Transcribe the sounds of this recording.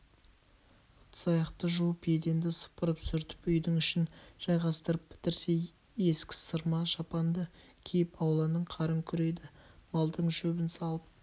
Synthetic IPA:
ət̪sɑjɑqt̪əʒuwəpe̞d̪e̞nd̪ɪsə̥pəɾəpsʏɾt̪ɪ̥pʏjd̪ɪŋʏʃɪnʒ̥ɑjʁɑst̪əɾəp̚bɪ̥t̪ɪɾse̞ | e̞skʲɪ̥səɾmɑʒɑpɑnd̪ə | kʲʰejɪpɑwlˠɑnəɴqʰɑɾəŋkʲʰʏɾe̞jd̪ɪmɑlˠd̪əɴʒɵbɪnsɑlˠəp̚

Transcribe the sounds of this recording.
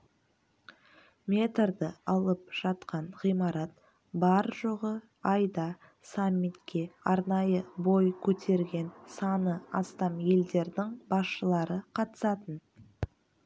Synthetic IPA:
mʲe̞t̪ɾd̪əɑlˠəp̚ʒ̥ɑt̪qɑɴʁijmɑɾɑt̪ | bɑɾʒoʁə | ɑjd̪ɑ | samʲːit̪kʲʰe̞ɑɾnɑjəbo̞jkʲʰɵt̪ʰe̞ɾɡʲe̞nsɑnəɑst̪ɑmje̞ld̪e̞ɾd̪ɪŋbɑsʃəlˠɑɾəqʰɑt̪ə̥sɑt̪ən

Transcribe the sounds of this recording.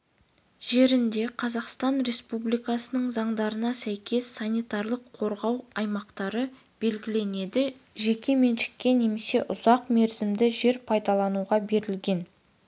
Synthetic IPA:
ʒ̥e̞ɾɪnd̪e̞qʰɑzɑqst̪ɑnɾe̞spublˠijkɑsənəɴzɑɴd̪ɑɾənɑsæjkʲʰe̞sːɑnijt̪ɑɾlˠəqʰːo̞ɾʁɑwɑjmɑqt̪ɑɾə | b̥e̞lɡʲɪle̞ne̞d̪ɪ | ʒe̞kʲe̞me̞nʃɪ̥kʲːe̞ne̞me̞se̞ʔʊzɑqme̞ɾzɪmd̪ɪʒe̞ɾpʰɑjd̪ɑlˠɑnuʁɑbe̞ɾɪlɡʲe̞n

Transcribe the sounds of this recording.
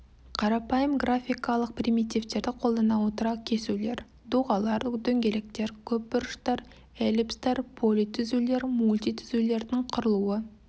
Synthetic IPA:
qʰɑɾɑpɑjəmɡrafʲijkɑlˠəq̚prijmijt̪ijvt̪e̞ɾd̪ɪqʰo̞lˠd̪ənɑwo̞t̪əɾɑkʲʰe̞sule̞ɾ | d̪uʁɑlˠɑɾd̪ɵŋɡʲe̞lek̚t̪e̞ɾkʲʰɵp̚bʊɾəʃt̪ɑɾ | elipst̪ɑɾpʰolʲit̪ʰʏzule̞ɾmulʲt̪ijt̪ʰʏzule̞ɾd̪ɪŋqʰʊɾəlˠuə

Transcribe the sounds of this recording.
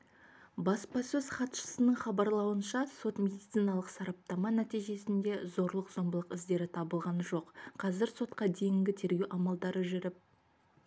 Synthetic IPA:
bɑspɑsɵz̥χɑt̪ʃə̥sənəɴχɑbɑɾlˠɑwənʃɑso̞t̪mʲe̞d̪it̪sijnɑlˠəqsɑɾɑp̚t̪ɑmɑnæt̪ijʒe̞sɪnd̪e̞zo̞ɾlˠəqzo̞mbəlˠəqɪzd̪e̞ɾɪt̪ʰɑbəlˠʁɑnʒo̞qqʰɑzɪɾso̞t̪qɑd̪e̞jɪŋɡʲɪt̪ʰe̞ɾɡʲe̞wʔɑmɑlˠd̪ɑɾəʒʏɾɪp̚

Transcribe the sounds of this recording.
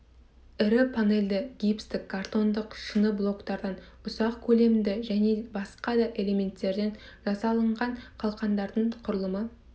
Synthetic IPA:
ɪɾɪpʰane̞lʲd̪ɪɡʲijpst̪ɪkʰːart̪o̞nd̪əqʃənəblˠo̞kt̪ɑɾd̪ɑn | ʊsɑqkʲʰɵle̞md̪ɪʒæne̞bɑsqɑd̪ɑʔe̞lʲe̞mʲe̞nt̪ːe̞ɾd̪e̞nʒ̥ɑsɑlˠəɴʁɑɴqʰɑlˠqɑnd̪ɑɾd̪əɴqʰʊɾəlˠəmə

